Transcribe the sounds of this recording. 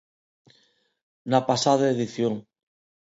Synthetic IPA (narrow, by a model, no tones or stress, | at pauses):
napasaðaeðiθjoŋ